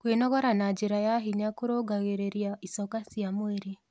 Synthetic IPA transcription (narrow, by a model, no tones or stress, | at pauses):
kwenɔɣɔɾanad͡ʒeɾajaɦiɲakoɾoɡaɣeɾeɾjaisɔkasjamweɾe